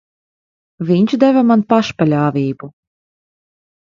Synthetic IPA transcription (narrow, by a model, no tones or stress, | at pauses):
vʲiɲt͡ʃd̪ɛvamanpaʃpalʲaːvʲiːbu